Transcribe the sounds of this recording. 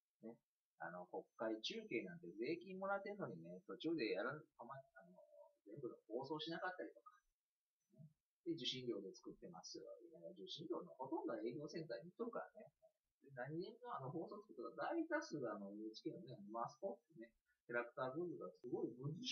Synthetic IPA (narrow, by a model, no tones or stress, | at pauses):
ne̞ | a̰no̞ko̞kːait͡ɕɨːke̞ːnãnt̪e̞ze̞ːkʲĩmo̞ɾat̪ːe̞ɾɯ̟no̞ɲ̟inet̪o̞t͡ɕɨɨːd̪e̞jaɾɯnomaano̞̰zẽ̞mbɯ̟ɡ̪oho̞ːso̞ːɕinakat̪ːaɾʲit̪o̞kḁ | ne | d̪̥ed͡ʑɨɕĩnɾʲo̞ːd̪et͡sɨ̥kɯ̟t̪ːe̞ma̰sɨo̰iaad͡ʑɨɕĩɲɾʲo̞ːnoho̞t̪õ̞nd̪o̞ae̞ːkʲo̞ːsẽ̞nt̪aiɲ̟it̪ːoɾɯ̟kaɾa̰ne̞ | d̪enãɲ̟ːĩnːo̞ano̞ɦo̞ːso̞ːt͡sɨ̥kɯ̟t̪ːakad̪ait̪asɨːano̞ɯːt͡ɕi̥kʲenoneanomasɨ̥pot̪ne̞ | kʲaɾakɯ̟̥t̪aːbɯ̟̃mbɯɡasɨɡo̞ibɯ̟z